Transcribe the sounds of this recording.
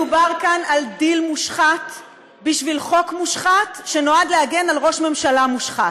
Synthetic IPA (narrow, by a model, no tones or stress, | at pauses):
ubaʁkanaldilmuʃχat | biʃvilχo̞kmuʃχatʃeno̞adlehaɡe̞nalʁo̞ʃme̞mʃalamuʃχat